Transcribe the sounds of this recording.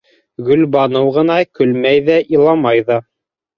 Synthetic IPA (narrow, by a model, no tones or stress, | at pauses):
ɡɵ̆lbɑnɤwʁɤ̆nɑkɵ̆lmæjðæʔilˠɑmɑjðɑ